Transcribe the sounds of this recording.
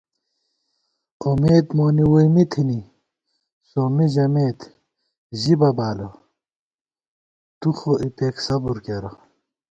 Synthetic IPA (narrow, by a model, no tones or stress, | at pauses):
omeːd̪moːniwijmit̪ʰini | soːmiʑɐmeːt̪ | ʑibɐbaːlo | t̪uxoʔipeːksɐbuɾkeɾo